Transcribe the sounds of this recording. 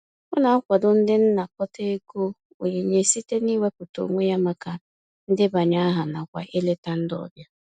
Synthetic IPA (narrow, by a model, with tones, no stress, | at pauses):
ʊ˦na˨˦kʷa˨dʊ˨n̩˦dɪ˦n̩˦na˨kɔ˦te˦e˦ɡo˦ | o̰˨ɲe˨ɲe˨˦si˦te˦ni˦we˦pʊ˨to̰˨ŋʷe˦ja˦ma˦ka˨ | n̩˦dɪ˦ba˨ɲa˦a˦ɦa˨na˨kʷa̰˨ʔe˦le˦ta˦n̩˦dɔ̰˨bja˦